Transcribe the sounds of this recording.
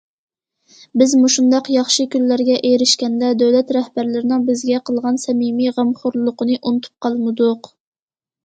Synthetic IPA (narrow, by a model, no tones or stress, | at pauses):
bɪzmuʃund̪ɑqjɑχʃɨkʲylːæɾɡʲɛʔejɾɪʃkʲɛnd̪ɛd̪øwlɛt̪ɾɛhbæɾlɪɾɪnɪŋbɪzɡʲɛqʰəlˠʁɑnsɛmimiʁæmχʊɾlˠʊqənɨʔunɨt̪ʰu̥p̚qʰɑlˠmɨd̪ʊq